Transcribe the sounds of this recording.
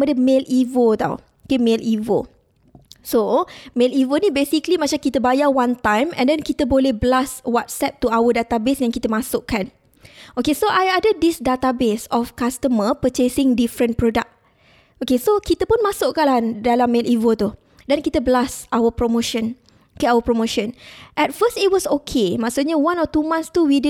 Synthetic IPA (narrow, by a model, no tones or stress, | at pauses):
mədəmelʔivot̪a̰w | okemẽlʔivo̰ | somelivonĩbesiklimãt͡ʃamkit̪əbajawãnt̪ãjmɛ̰̃ndɛnkit̪əbolɛhbəlaswat̪̚sɛp̚t̪uawədat̪abesjãŋkit̪əmãsʊʔkan | ʔokesoʔajadədisdat̪abesɔfkast̪əməpət͡ʃesɪ̃ŋdifɾə̃npɾodak̚ | ʔokesokit̪əpunmasʊʔkaladalamːelivot̪u | dɛnkit̪əbəlasawəpɾomoʃə̃n | okeawəpɾomoʃə̃nʔɛt̚fəstit̚wɔsokʰemãksuʔɲawãnɔt̪umãnst̪uwidi